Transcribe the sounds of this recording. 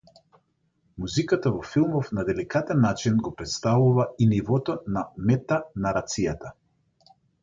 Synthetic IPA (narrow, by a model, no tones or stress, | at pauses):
muzikat̪avɔfilˠmɔfnad̪ɛlikat̪ɛnːat͡ʃinɡɔpɾɛt̪st̪avuvainivɔt̪ɔnamɛt̪anaɾat̪sijat̪a